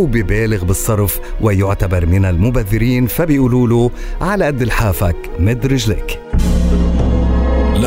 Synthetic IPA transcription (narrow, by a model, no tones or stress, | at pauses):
wbɪbeːlɪɣbɨsˤːɑɾˤf | wɪjʊʕt̪abɑɾˤmɪnalmʊbaðːɪɾiːnfabɪʔuːluːlu | ʕalaʔad̪ːɪlħaːfak | mɪd̪ɾɪʒlɪ̰ːk | l